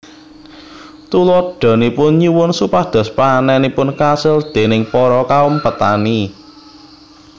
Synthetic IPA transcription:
t̪ulɔɖ̥ɔ̤nipʊnɲiwʊnsupahd̪̥ɔ̤spanɛnipʊnkasɪld̪̥e̤nɪŋpɔɾɔkaʊmpət̪a̰ni

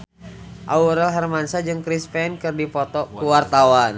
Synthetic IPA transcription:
ʔauɾɛlɦarmansad͡ʒɨŋkɾispɛnkɨrdipɔt̪ɔkuwart̪awan

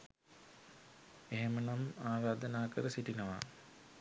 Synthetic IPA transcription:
eɦemənamaːɾaːd̪ənaːkəɾəsiʈinəʋa̰

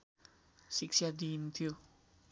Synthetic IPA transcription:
siksiad̪iːnt̪ʰio

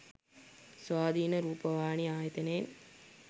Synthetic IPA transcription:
sʋaːd̪ʱiːnəɾuːpəʋaːniaːjɐt̪eneːn

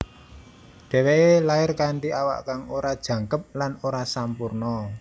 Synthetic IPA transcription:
ɖ̥ɛ̤weʔelaɪrkaɳʈiʔawa̰ʔkaŋoɾad̥ʒ̥ä̤ŋkəp̚lanoɾasampurnɔ

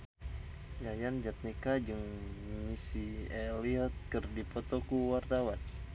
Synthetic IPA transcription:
jajand͡ʒat̪̚nikad͡ʒɨŋmisieliɔt̪̚kɨrdipot̪okuwart̪awan

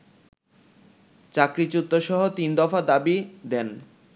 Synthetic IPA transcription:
t͡ɕakɾit͡ɕut̪ːoʃɔɦot̪ind̪ɔfad̪abid̪ɛn

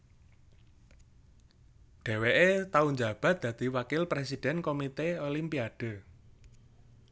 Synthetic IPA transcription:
ɖ̥ɛ̤weʔet̪auɲd͡ʒa̤b̥a̤t̪̚d̪̥ä̤d̪̥i̤wakɪlpɾesid̥ɛ̤nkomit̪eolimpiad̥ə̤

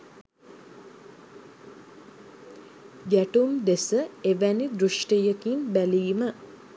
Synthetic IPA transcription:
ɡæʈumd̪esəeʋænid̪ɾuʂʈijəkinbæliːmə

